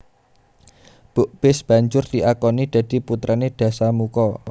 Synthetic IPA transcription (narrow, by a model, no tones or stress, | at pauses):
b̥ʊʔb̥ɪsb̥a̤ɲd͡ʒʊrd̪̥iʔakɔnid̪̥ä̤d̪̥i̤put̪ɾʔaned̪̥ä̤samukɔ